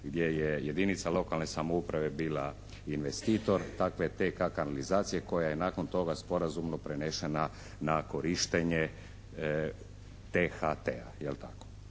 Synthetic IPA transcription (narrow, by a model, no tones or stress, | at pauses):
ɡd̪ʲje̞jeje̞d̪init̪salˠo̞kalne̞samoupɾaʋe̞biːla | inʋe̞st̪iːt̪o̞ɾt̪akʋet̪ekakanalizaːt̪sijeko̞jaje̞naːko̞nt̪o̞ɡaspo̞ɾazumno̞pɾeneʃena | nako̞ɾiʃt̪eɲe | t̪exat̪ea̰jelt̪ako